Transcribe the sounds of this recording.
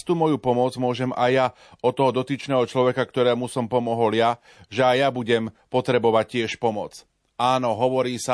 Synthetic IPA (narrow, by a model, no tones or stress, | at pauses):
st̪uːmɔjupɔmʊɔd͡zmʊɔʒɛmajːa | ʔɔt̪ɔɦɔd̪ɔt̪iːt͡ʃnɛːɦɔt͡ʃlɔʋɛkakt̪ɔɾɛːmusɔmpɔmɔɦɔlja | ʒɛajjabuɟɛmpɔt̪ɾɛbɔʋac̚cɪɛʃpɔmɔt͡s | aːnɔɦɔʋɔɾiːsa